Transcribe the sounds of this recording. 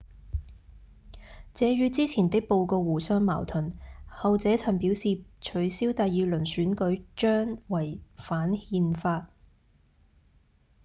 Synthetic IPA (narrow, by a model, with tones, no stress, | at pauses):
t͡sɛː˨˧ɥyː˧t͡siː˥t͡sʰiː˨˩nt̪ɪ˥k̚po˧wkɔː˧wuː˨˩sœː˥ŋma̰ː˨˩wt̪ʰɵ˨˩nhɐ˨wt͡sɛː˨˥t͡sʰɐ˨˩npiː˨˥wsiː˨t͡ʃʰɵ˨˥ɥsiː˥wt̪aː˨˧jjiː˨˧lɵ˨˩nsyː˨˥nkɵ˨˥ɥt͡ʃœː˥ŋwɐ˨˩jfaː˨˥nhiː˧nfaː˧t̚